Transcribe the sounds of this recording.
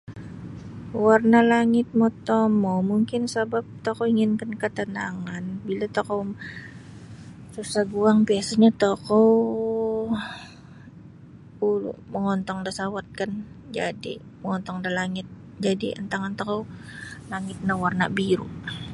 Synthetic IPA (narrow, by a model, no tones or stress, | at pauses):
warnalaŋɪt̪̚mot̪ɔmɔmuŋkɪnsabap̚t̪okoiŋɪnkankət̪ənaŋanbilat̪okow | susabuaŋbiasaɲat̪okɔ | ulṵməŋɔnt̪ɔŋdasawat̪̚kan | d͡ʒa̰dḭ | məŋɔnt̪ɔŋdalaŋɪt̪̚ | d͡ʒadiʔə̰nt̪aŋant̪okowlaŋɪt̪̚nawarna̰biɾṵʔ